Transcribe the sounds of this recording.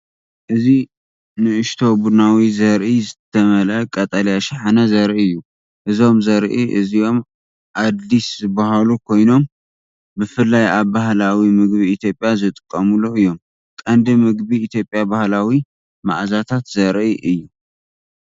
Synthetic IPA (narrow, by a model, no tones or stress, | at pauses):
ʔɨzi | nɨɨʃt̪ʰo̞bunawizɐɾʔizɨt̪ʰɐmɐlɐkʼɐt̪ʼɐljaʃaħanɐzɐɾʔiɨjːu | ʔɨzo̞mzɐɾʔiʔɨzijo̞m | ʔad̪iszɨbaɦalukʰo̞jno̞m | bɨfɨlːajaβbahlawimɨɡbiit̪ʰjopʼjazɨt̪ʼɨkʼːɐmuluɨjːo̞m | kʼɐnd̪ɨmɨɡbiːt̪ʰjo̞pʼjabahlawi | ma̰ʕzat̪ʰat̪zɐɾʔiʔɨjːu